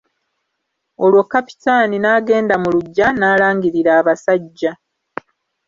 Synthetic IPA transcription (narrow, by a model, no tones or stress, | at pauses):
o̞lwokːapi̥taninaːɡe̞ːndamuluɟːanaːlaːŋɡiɾiɾaːβasaɟːa